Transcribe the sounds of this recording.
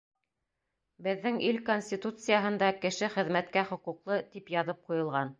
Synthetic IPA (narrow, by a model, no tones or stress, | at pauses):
bɘ̆ðːɘŋilkonʲsʲtʲit̪ut̪sɨjaɦɤ̆nd̪ɑkɘ̆ʃɘχɘ̆ðmæt̪kæχŏquqlˠɤt̪ipjɑðɤp̚qujɤ̆lˠʁɑn